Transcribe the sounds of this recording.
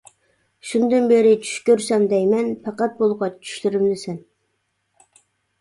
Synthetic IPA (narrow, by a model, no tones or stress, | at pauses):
ʃund̪ɨnbeɾɪt͡ʃʰy̥ʃkʲøɾsɛmd̪ɛjmɛnpʰɑqæt̪̚bolˠʁɑt͡ʃʰy̥ʃlyɾymlɪsɛn